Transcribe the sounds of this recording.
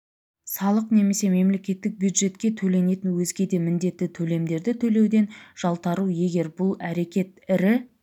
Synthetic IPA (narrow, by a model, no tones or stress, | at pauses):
sɑlˠəqne̞me̞se̞me̞mle̞kʲe̞t̪ːɪk̚bjud̪ʒe̞t̪kʲe̞t̪ʰɵle̞ne̞t̪ɪnwɵzɡʲe̞d̪e̞mɪnd̪e̞t̪ːɪt̪ʰɵle̞md̪e̞ɾd̪ɪt̪ʰɵle̞wd̪e̞nʒ̥ɑlˠt̪ɑɾuje̞ɡʲe̞ɾbʊlˠæɾe̞kʲe̞t̪̚ɪɾɪ